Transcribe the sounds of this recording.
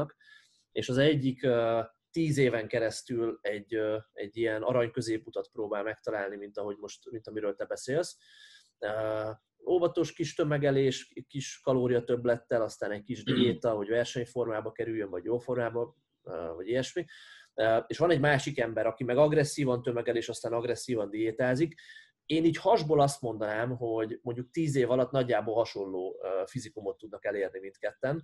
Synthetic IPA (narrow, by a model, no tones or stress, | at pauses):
k | eːʃɒzɛɟːikøː | t̪iːzeːvɛŋkɛɾɛst̪ylɛɟːøɛ̰ɟːijɛnɒ̰ɾɒɲkø̞zeːput̪ɒt̪proːbaːlmɛkt̪ɒlaːlnimint̪ɒɦo̞ɟmo̞ʃt̪mint̪ɒmiɾøːlt̪ɛbɛseːls | øː | oːvɒt̪o̞ʃkiʃt̪ø̞mɛɡɛleːʃkiʃkɒloːɾijɒt̪øblɛt̪ːɛlɒst̪aːnɛc̚kiʒd̪ieːt̪ɒɦo̞ɟvɛrʃɛɲfo̞rmaːbɒkɛɾyjːøɱvɒɟjoːfo̞rmaːbɒ | vɒɟijɛʃmiøːeːʃʋɒnɛɟmaːʃikɛmbɛɾɒkimɛɡɒɡrɛsːiːvɒnt̪ømɛɡɛleːʃɒst̪aːnɒɡɾɛsːiːvɒnd̪ijeːt̪aːzik | eːniːchɒʒboːlɒst̪mo̞nd̪ɒnaːmɦo̞ɟmo̞ɲɟuk̚t̪iːzeːvɒlɒt̪ːnɒɟːaːbolɦɒʃo̞llːoːøfizikumo̞t̪ːud̪nɒkɛleːrnimint̪kɛt̪ːɛn